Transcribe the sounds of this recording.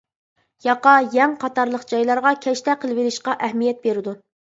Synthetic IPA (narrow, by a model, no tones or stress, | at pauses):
jɑqɑjɛŋqʰɑt̪ɑɾlˠəqd͡ʒɑjlˠɑɾʁɑkʲʰɛʃt̪ɛqʰəlˠɨveɾɪʃqɑʔɛhmijɛt̪̚beɾɪd̪u